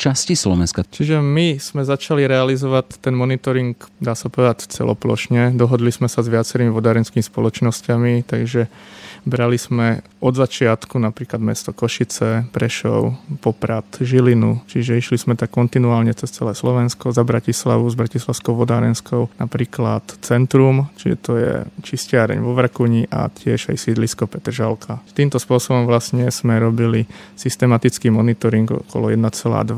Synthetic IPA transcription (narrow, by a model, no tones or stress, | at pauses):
t͡ʃascislɔʋɛnskat͡ʃiʒɛmiz̥mɛzat͡ʃaliɾɛalizɔʋatt̪ːɛnmɔnit̪ɔɾiŋkd̪aːsapɔʋɛd̪act͡sɛ̰lɔ̰plɔ̰ʃɲɛd̪ɔɦɔd̪lizmɛsazʋɪat͡sɛɾimiʋɔd̪aːɾɛnskimispɔlɔt͡ʃnɔscamit̪aɡʒɛbɾaliz̥mɛ | ɔd̪zat͡ʃɪat̪kunapɾiːklad̪mɛ̰st̪ɔkɔʃit͡sɛpɾɛʃɔ̰ʊpɔpɾat̪ʒilinṵt͡ʃiʒɛiʃlizmɛt̪akːɔnt̪inuaːlɲɛt͡sɛst͡sɛlɛːslɔʋɛnskɔzabɾacisla̰ʋuzbɾacislaʊskɔʊʋɔd̪aːɾɛnskɔʊnapɾiːklat̪t͡sɛnt̪ɾumt͡ʃit̪ɔjɛ̰t͡ʃiscɪaɾɛ̰ɲʋɔʋrkuɲiʔa̰cɪɛʒa̰jsiːd̪liskɔpɛt̪r̩ʒalkʰat̪iːmt̪ɔspʊɔsɔbɔmʋlasɲɛz̥mɛɾɔbilisist̪ɛmat̪it͡skiːmɔnit̪ɔɾiŋɡɔ̰kɔ̰lɔjɛd̪nat͡sɛla̰ːd̪ʋa